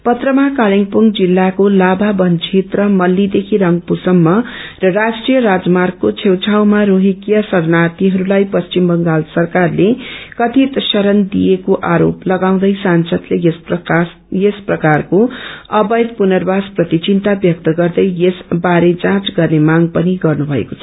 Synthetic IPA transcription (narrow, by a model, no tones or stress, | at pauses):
pʌt̪rʌmakaliŋpuŋd͡zilːakolababʌnt͡ʃʰet̪rʌmʌlːid̪ekʰiɾʌŋɡpusʌmːʌrʌrasʈrijʌɾad͡zmarɡ̚kot͡sʰewt͡sʰawmaɾoɦikjʌsʌrnat̪iɦʌɾulajpʌst͡ʃimbʌŋɡalsʌrkarlekʌt̪ʰit̪sʌɾʌnd̪ijekoʔaɾoplʌɡaw̃d̪ʌjsansʌd̪lejss | jesprʌkarkoʌbʌjd̪punʌrbasprʌt̪it͡sint̪abjʌk̚t̪ʌɡʌrd̪ʌjesbaɾed͡zãt͡sɡʌrnemaŋɡpʌniɡʌrnubʱʌḛkot͡sʰʌ